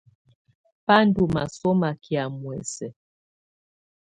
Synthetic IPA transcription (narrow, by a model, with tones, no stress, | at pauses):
pa˦n˦du˨ma̰˨sɔ˦ma˨kja˨mwɛ˨sɛ˨